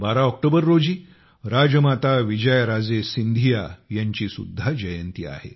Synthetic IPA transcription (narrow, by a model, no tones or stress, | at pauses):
baɾaɔk̚ʈobəɾːod͡ʑiː | ɾad͡ʑəmat̪aʋid͡ʑəjəɾad͡zesind̪ʱijajaɲt͡ɕiːsṵd̪ʱːad͡ʑəjənt̪iːa̰hḛ